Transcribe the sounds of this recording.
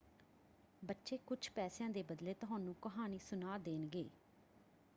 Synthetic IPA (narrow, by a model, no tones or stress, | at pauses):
bətːʃeːkʊd͡ʒʰpɛːsɪjãːd̪eːbəd̪leːt̪ʊɦãːnũːkəɦaːniːsʊnaːd̪eːnɡḛː